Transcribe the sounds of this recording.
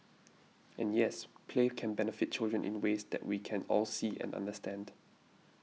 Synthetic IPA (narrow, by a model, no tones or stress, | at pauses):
ʔɛ̃njɛspʰlekʰɛ̃nbɛnəfɪt̚t͡ʃɪldɹə̃nʔɪ̰̃nwesd̪ɛ̰ʔwikʰɛ̃nɔlsiːɛ̰̃nã̰ndəstɛ̃nd